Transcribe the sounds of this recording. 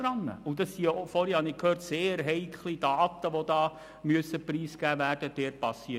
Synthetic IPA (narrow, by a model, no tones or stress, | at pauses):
ɾɑnːə̰ʔudɑsiofɔɾihɑnɪkʰhøːrtseːɾɦɛɪkʰlid̥ɑːt̪əʋodɑː | myəsəpriːsɡ̥æːʋæːrd̥əd̥ɛːt̚pɑsːiː